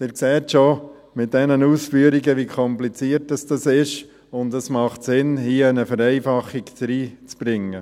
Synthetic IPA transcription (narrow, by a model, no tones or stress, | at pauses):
dɪːɾksɛːtʃɔ | mɪt̚d̥ɛnənuːsfyəɾiɡəʋikʰɔmplit͡siəɾtəsd̥ɑsɪʃ | ʊndəsmɑχtsɪnhiəɛnəfəɾɛɪfɑχːikt͡sɾiːt͡sb̥ɾɪŋːə